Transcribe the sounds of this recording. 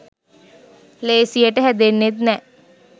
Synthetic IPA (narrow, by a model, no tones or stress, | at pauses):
leːsijəʈəɦɛd̪enːet̪nɛ